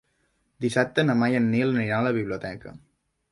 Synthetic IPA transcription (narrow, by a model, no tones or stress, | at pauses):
d̪isap̚t̪ənəmajənːiləniɾaləβiβliut̪ɛkə̰